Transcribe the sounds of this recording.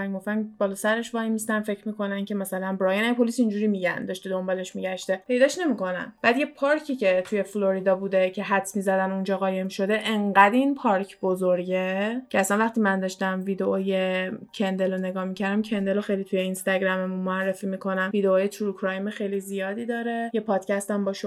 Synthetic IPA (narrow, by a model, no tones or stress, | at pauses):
ænɡoft̪ænbɒlɒsæɾeʃvɒːimist̪ænfe̞cʰɾmiko̞næncʰe̞mæsælænbɾɒjenæjpʰo̞lisind͡ʒuːɾimiɟæ̰nd̪ɒʃt̪ed̪o̞mbɒle̞ʃmiɟæʃt̪e̞pʰe̞jd̪ɒːʃne̞miko̞næ̰nb̥æd̪je̞pʰɒɾcʰicʰe̞t̪ʰuje̞flo̞ɾid̪ɒbuːd̪e̞cʰe̞ɦæt̪smizæd̪ænund͡ʒɒːɣɒːje̞mʃo̞d̪e̞ʔeɴɢæd̪inpʰɒːɾcʰbo̞zoɾɟe̞cʰeæsænvæχt̪iːmænd̪ɒʃt̪æmvid̪eoje̞cʰend̪e̞lone̞ɡɒːhmicʰæɾd̪æmcʰe̞nd̪e̞loxe̞jlit̪ʰujeinst̪æɟɾæme̞munmoærːe̞fiːmikʰo̞næmvid̪eoːjet̪ʰuɾukʰɾɒjmexejlizijɒːd̪iːd̪ɒːɾe̞jepʰɒːd̪̥cʰʲæst̪æmbɒːʃo